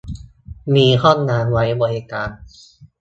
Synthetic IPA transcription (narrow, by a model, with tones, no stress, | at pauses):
miː˧kʰɔ˥˩ŋnaː˧nwa˦˥jbɔː˧nʔeː˧kaː˧n